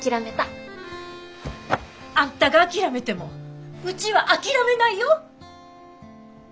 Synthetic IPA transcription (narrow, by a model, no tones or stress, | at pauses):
kʲiɾame̞t̪a | ãnt̪aɡaːkʲiɾame̞t̪e̞mo̞ɯ̟t͡ɕiβaʔakʲiɾame̞naijo